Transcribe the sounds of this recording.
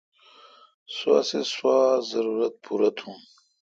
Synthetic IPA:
swa̰ːseswaːzɐɾuɾɐt̪̚pʰuɾɐt̪ʰũm

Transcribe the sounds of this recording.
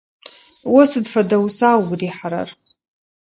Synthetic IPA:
wasɨdfadawsawɡdiħaɾa̰r

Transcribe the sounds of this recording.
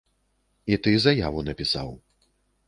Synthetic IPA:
it̪ɨzɐjavunɐpʲisa̰w

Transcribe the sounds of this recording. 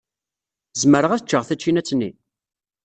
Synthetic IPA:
zməɾəʁæθt͡ʃːəʁθæt͡ʃːinæt͡sːnːi

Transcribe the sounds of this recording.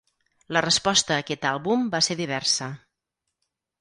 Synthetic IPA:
lərəspɔst̪əːkɛt̪alˠβumbaseɾðiβ̞ɛɾsə

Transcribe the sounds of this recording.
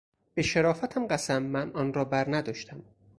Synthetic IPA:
b̥eʃeɾɒːfæt̪ʰæmɢæsæmːænɒːnɾɒːbæɾnæd̪ɒːʃt̪ʰæm

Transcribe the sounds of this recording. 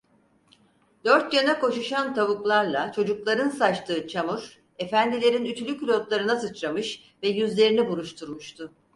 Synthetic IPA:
d̪̥øɾt̪janako̞ʃuʃant̪ʰaβuklˠaɾlˠat͡ʃʰo̞d͡ʒuklˠaɾɯnsat͡ʃt̪ʰɯːt͡ʃʰamuɾ | e̞fænd̪ilʲe̞ɾinyt̪ʰylʲykylʲo̞t̪lˠaɾɯnasɯt͡ʃɾamɯʃ | vɛjyzlʲe̞ɾinibuɾˠuʃt̪ʰuɾmuʃt̪ʰʊ

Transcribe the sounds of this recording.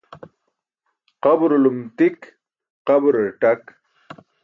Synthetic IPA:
qɐbɾulumt̪ik | qɐbɾeʈɐk

